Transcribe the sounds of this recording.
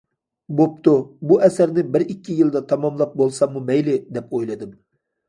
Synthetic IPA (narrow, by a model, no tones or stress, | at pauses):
bop̚t̪ubuʔɛsæɾnɪbɪɾikʲʰːijɨlˠd̪ɑt̪ʰɑmɑmlˠɑp̚bolˠsɑmːumɛjlɪd̪ɛpojlˠɨd̪ɨm